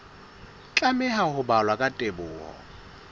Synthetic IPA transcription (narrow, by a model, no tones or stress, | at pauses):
t͡ɬʼamɛhahʊbalwakʼatʼebʊːhɔ̰